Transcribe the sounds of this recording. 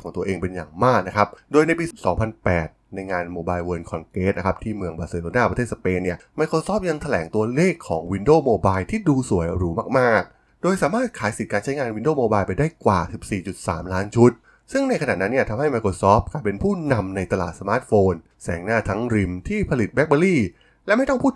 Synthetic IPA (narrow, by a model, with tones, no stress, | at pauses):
ɔː˩˦ŋt̪u˧ɐʔeː˧ŋpe˧nja̰ː˨˩ŋmaː˥˩k̚na˦˥kʰa˦˥p̚doː˧jna˧jpiː˧sɔː˩˦ŋpʰa˧npɛ̰ː˨˩t̪̚na˧jŋaː˧nmoː˧baː˧jwo˧nkʰɔ˧nkeː˦˥t̪̚na˦˥kʰa˦˥p̚t̪ʰiː˥˩mɯ˧əŋbaː˨˩seː˧˩loː˧naː˥˩pɾa˧t̪ʰeː˥˩t̪̚sa˧peː˧nːi˥˩ɐmaː˧jkʰɾoː˧sɔː˦˥p̚ja˧ŋt̪ʰa˧lɛː˩˦ŋt̪u˧ɐleː˥˩kʰːɔː˩˦ŋwi˧ndoː˥˩moː˧baː˧jt̪ʰiː˥˩duː˧su˨˩˦əjɾuː˩˦maː˥˩k̚maː˥˩k̚ | doː˧jsaː˩˦maː˥˩t̪̚kʰaː˩˦jsi˨˩t̪̚kaː˧nt͡ɕʰa˦˥jŋaː˧nwi˧ndoː˥˩moː˧baː˧jpa˧jdaː˥˩jkwa̰ː˨˩si˨˩p̚siː˨˩t͡ɕu˨˩t̪̚sa̰ː˩˦mlaː˦˥nt͡ɕʰu˦˥t̪̚ | sɯ˥˩ŋna˧jkʰa˧na̰ː˨˩t̪̚na˦˥nːi˥ɐt̪ʰa˧mha˥˩jma˧jkʰoː˧sɔː˦˥p̚kʰa˧˩pe˧npʰuː˥˩na˧mna˧jt̪a˧la̰ː˨˩t̪̚sa˧maː˦˥t̪̚foː˧n | sɛː˩˦ŋnaː˥˩t̪ʰa˦˥ŋɾi˧mt̪ʰiː˥˩pʰa˧li˨˩t̪̚bɛ˦˥k̚baː˧liː˥˩ | lɛ˦˥ma˥˩jt̪ɔ˥˩ŋpʰuː˥˩